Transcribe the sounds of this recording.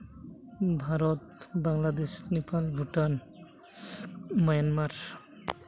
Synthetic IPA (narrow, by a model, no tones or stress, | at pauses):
bʱaɾɔt̪baŋlad̪esnepalbʱuʈan | mɔjanmaɾ